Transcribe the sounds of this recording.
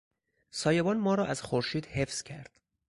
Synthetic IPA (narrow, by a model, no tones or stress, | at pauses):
sɒːjebɒːnmɒːɾɒːʔæz̥xoɾʃiːd̪he̞fz̥cʰæɾd̪̥